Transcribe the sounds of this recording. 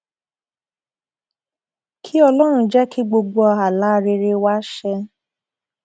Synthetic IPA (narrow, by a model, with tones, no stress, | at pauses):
kʰi˦ɔ˧lɔ˦ɾ̃ũ˧d͡ʒɛ˦ki˦ɡ͡bo˧ɡ͡bo˧a˧˨a˨la˨˦˨ɾe˧ɾe˧wa˦ʃɛ˧